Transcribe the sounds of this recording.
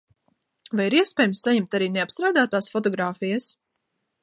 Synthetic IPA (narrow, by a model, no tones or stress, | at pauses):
vajiɾiɛspʲɛːjmsːaɲɛmt̪aɾiːneapst̪ɾaːd̪aːt̪aːsfɔt̪̬ɔɡɾaːfijas